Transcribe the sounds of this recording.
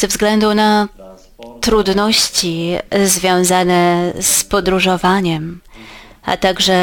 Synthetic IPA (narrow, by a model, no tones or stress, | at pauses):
zɛvzɡlɛnd̪una | t̪ɾud̪nɔɕt͡ɕizvʲjɔ̃w̃zanɛspɔd̪ɾuʐɔvaɲɛm | a̰t̪aɡʐɛ